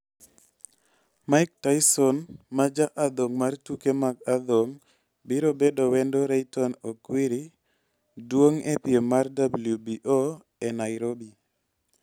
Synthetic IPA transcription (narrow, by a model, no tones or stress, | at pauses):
maɪk̚tajsɔnmad͡ʒaʔad̪oŋmartukemaɡad̪oŋ | biɾobedowɛndoɾajtɔnokwiɾi | dwoŋepiemardabuljubiʔo | enaɪɾobi